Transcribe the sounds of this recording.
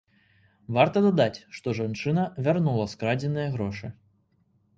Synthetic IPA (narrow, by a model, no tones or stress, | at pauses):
vart̪ɐd̪ad̪at͡sʲʂt̪ɔʐant͡ʂɨnɐvʲarnulˠɐskɾad͡zʲɛnɨjɐɣɾɔʂɨ